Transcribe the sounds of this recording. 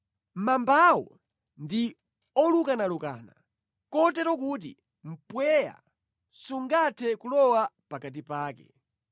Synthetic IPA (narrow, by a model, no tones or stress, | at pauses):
m̩mambawɔ̰ | ndi | ɔlukanaluka̰ːna | kɔtɛɾɔk̬ut̬ḭ | m̩pwɛja̰ | suŋɡatʰɛkulɔwapakat̬ipaːkɛ̰